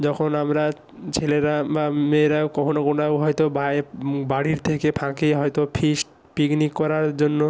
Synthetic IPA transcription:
d͡ʑɔkʰonamɾa | t͡ɕʰeleɾabameɾakɔkʰonokonaɦɔjt̪obaebaɽiɾt̪ʰekepʰãkeɦɔjt̪opʰiʃʈ | piknikːɔɾaɾd͡ʑonːo

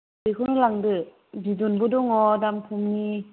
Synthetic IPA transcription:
bɯkʰɯnɯlaŋdɯ | bizunbudɔŋɔdampʰumni

